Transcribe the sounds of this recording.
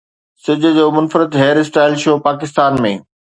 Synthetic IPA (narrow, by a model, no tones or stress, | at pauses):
sɪd͡ʑʱə̆d͡ʑoːmʊnfɾɪt̪ɦeːɾɪsʈaːɪlʃoːpaːkɪst̪aːnmḛ̃ː